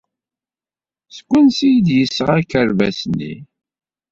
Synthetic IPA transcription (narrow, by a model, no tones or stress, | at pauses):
sə̥kʷːənsijd̪jəsːəʁækːəɾvæ̰sənːḭ